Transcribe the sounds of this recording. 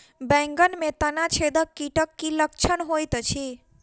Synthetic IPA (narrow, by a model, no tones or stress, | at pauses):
bɛ̃ŋɡənmet̪ənat͡ʃʰed̪əkːiʈəkːiləkt͡ʃʰənɦojt̪t͡ʃʰi